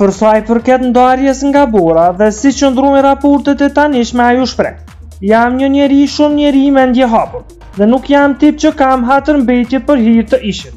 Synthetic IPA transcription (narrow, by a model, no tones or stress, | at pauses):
pəɾsajpəɾkɛt̪nd̪aɾjɛsŋɡabɔɾaðɛsit͡ʃənd̪ɾɔjɾapɔɾt̪ɛt̪ɛt̪aniʃmɛajuʃpɾɛ̰h | jamɲəɲəɾiʃumɲəɾimɛnd̪jɛɦapuɾ | ðɛnukjamt̪ip̚t͡ɕəkamɦat̪əɾmbɛjt̪jɛpəɾɦiɾt̪əʔiʃən